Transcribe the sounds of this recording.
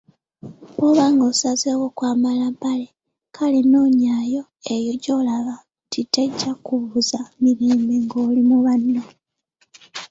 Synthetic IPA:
oβaŋɡosazewokwaːmalampale̞ | kʰaleno̞ːɲaːjo̞ | e̞jo̞ɟo̞laβa | tʰiteɟːakuβuzamiɾeːmbe̞ŋɡoːlimuβanːo

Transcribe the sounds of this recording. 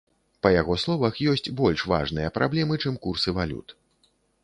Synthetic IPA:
pɐjaɣɔslˠɔvɐxjɔsʲt͡sʲbɔlʲʂva̰ʐnɨjɐpɾʔablʲɛmɨt͡ʂɨmkursɨvalʲṵt̪

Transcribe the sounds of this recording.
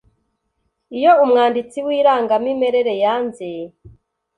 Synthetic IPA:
ijo̞umŋaːndit͡siwiːɾaːŋɡamime̞ɾeɾe̞jaːnze

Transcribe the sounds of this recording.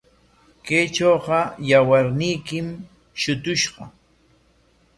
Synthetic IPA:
ket͡ʃoːqɑjawaɾnɪjkɪm | ʃʊt̪ʊʃɢɑ

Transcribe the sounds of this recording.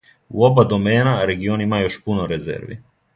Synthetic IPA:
ṵo̞bad̪o̞meːnaɾe̞ɡionimajo̞ʃpunoɾezḛɾʋḭ

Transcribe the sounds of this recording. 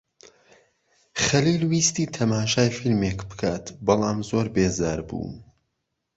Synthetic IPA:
χɐlilwiːst̪iːt̪ʰɐmaːʃaːjfilmekbɨ̥kʰaːt̪bɑlˠaːmzoːɾbeːzaːɾbṵːn

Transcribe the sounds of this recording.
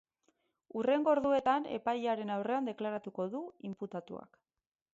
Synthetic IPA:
ure̞ŋɡo̞ɾðue̞t̪ane̞̰pajaɾe̞nawre̞and̪e̞klaɾat̪uko̞ðuimput̪at̪ṵa̰k

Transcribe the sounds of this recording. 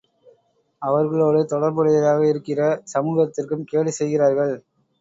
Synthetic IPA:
ɐʋɐɾɣɐɭoːɽɯt̪ɔɽɐɾbɐɽɪðɐɾaːɣɐɪɾɯkːɪrɐsɐmuːɣɐt̪ːɪrkɯmkeːɭʋisɛjɣɪraːɾɣɐɭ

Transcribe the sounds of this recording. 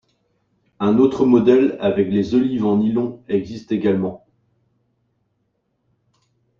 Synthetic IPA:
ɛ̃not̪χəmɔd̪ɛlavɛklezɔlivɑ̃nilɔ̃ɛɡzist̪eɡʲalmɑ̃

